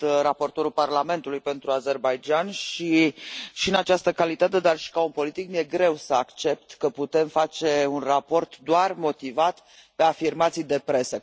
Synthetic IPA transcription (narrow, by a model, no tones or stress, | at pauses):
t̪rapo̞rt̪o̞ɾulparlame̞nt̪ulujpe̞nt̪ɾuaze̞rbajd͡ʒanʃiʃiɨnat͡ʃast̪əkalit̪at̪e̞d̪arʃi̥kaunpo̞lit̪ik̚nuje̞ɡɾe̞wsəakt͡ʃe̞p̚t̪kəput̪e̞mfat͡ʃe̞unrapo̞rt̪d̪oarmo̞t̪ivat̪ | pe̞afirmat̪sijd̪e̞pɾe̞sə